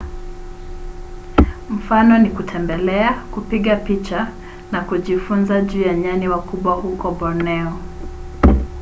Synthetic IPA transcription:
m̩fanɔnikutʰɛmbɛlɛakupiɠapit͡ʃa | nakuʄifunzaʄuːjaɲaniwakuɓwahukɔɓɔnɛɔ

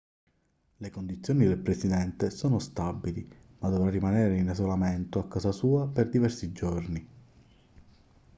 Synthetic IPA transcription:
lekond̪it̪sːjoːnid̪elpɾesid̪ɛnt̪esoːnost̪abːili | mad̪ːovɾarːimaneːɾeinezolament̪oakːaːzasuːaperd̪ivɛrsid͡ʒorni

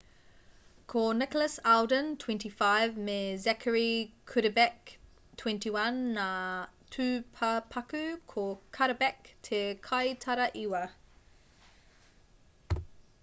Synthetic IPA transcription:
kʰonɪkələsalˠdə̃ntʰw̥ɛ̃ntifaɪvmezɛkʰəɹikʰʉɾəbɛk̚ | tʰw̥ɛ̃ntiwãnːatʰʉpʰapʰakʉkʰokʰaɾəbɛktʰekʰaɪtʰaɾəʔiwə

